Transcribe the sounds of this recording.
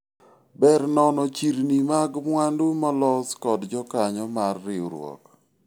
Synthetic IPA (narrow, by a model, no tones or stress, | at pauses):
bɛɾnɔnɔt͡ʃiɾnimaɡmwandumɔlɔskɔdd͡ʒɔkaɲɔmarːɪoɾwɔ̰k